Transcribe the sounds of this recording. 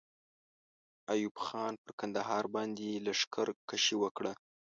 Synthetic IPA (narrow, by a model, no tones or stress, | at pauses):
ajubxɑnpəɾkand̪aɦɑɾbɑnd̪elaʂkʰaɾkaʃewəkɽa